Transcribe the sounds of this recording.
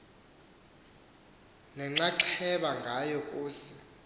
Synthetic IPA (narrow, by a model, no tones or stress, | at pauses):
nɛŋ͡ǁaǃʰɛɓaŋɡʱajɔkʼuːsi̥